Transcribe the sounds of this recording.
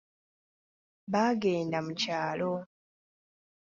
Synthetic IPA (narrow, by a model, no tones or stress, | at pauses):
βaɡe̞ːndamucaːlo̞